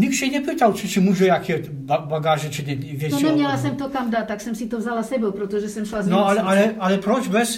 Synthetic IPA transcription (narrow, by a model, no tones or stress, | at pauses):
ɲiksɛɲɛpiːt̪alt͡ʃit͡ʃimuʒɛjakʰɛ | babaɡaːʒɛt͡ʃiɲɛvʲjɛt̪nɛmɲalasɛmt̪okamd̪at̪ːaksɛmsit̪ovzalasɛbɛwpɾot̪oʒɛsɛmʃlaznolɛalɛalɛpɾot͡ʃbɛs